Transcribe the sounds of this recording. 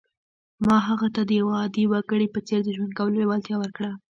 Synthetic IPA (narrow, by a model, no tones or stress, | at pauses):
mɑɦaɣat̪ad̪əjawaːd̪iwaɡəɽipət͡seɾd̪əʒwand̪kawəloewalt̪jɑwəɾkɽa